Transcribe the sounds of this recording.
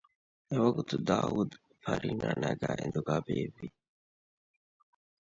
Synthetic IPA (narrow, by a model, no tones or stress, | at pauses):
ewɐɡut̪ud̪aːud̪ | fɐɾiːnaːnaɡaːʔḛnd̪uɡabeːvi